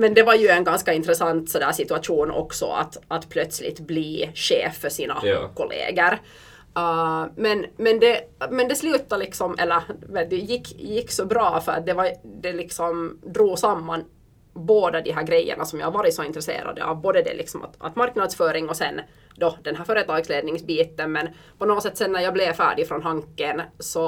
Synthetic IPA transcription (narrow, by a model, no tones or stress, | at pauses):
mɛnd̪ɛvɑɾjɵɛnɡanskɑɪnt̪ɾɛsɑnt̪sɔd̪æːʂɪt̪ʉaʂuːnɔ̰ksɔ̰a̰t̪at̪pʰlœt̪slɪ̰t̪bliːɕeːfːœʂiːna̰kʰɔlḛːɡəɾ | mɛnmɛnd̪ɛmɛnd̪ɛslʉ̟ːt̪alɪksɔmʔɛ̰lːəɾmɛd̪ɛjɪkːjɪkːsɔbɾɑːfœɾɑ̰t̪̚d̪ɛvɑd̪ɛlɪksɔmd̪ɾuːɡsamːan | boːd̪ɑd̪ɪɦæːɾɡɾɛjːə̰ɳʔasɔmjɑ̰haɾvɑːɾɪt̪sɔɪnt̪ɾɛsḛːɾa̰d̪ə̰ɑ̰vboːd̪əd̪ɛ̰lɪ̰ksɔma̰t̪ʔa̰t̪maɾknɑd̪sfœːɾɪŋɔsɛn | d̪ɔd̪ɛnhɦæːɾfœɾət̪ɑːɡsleːd̪nɪŋsbiːt̪ənmɛn | pɔnoːɡsɛt̪ːsɛnːæɾjɑːblɛvfæ̰ːɖɪfɾɔnɦɑŋkːənsɔ